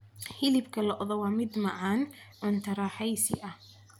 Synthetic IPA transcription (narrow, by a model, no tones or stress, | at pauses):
hɪlɪbkʰɐlɔʔðɔwaːmɪd̪mɐʕaːnʕʊnt̪ʰɐɾɑːħɛjsɪ̰ʔɐ